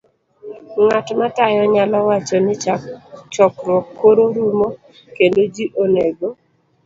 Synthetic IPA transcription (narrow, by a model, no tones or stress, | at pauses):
ŋatmatajɔɲalɔwat͡ʃɔnɪt͡ʃt͡ʃɔkŋɔkːoɾoɾumo | kendod͡ʒiʔoneɡo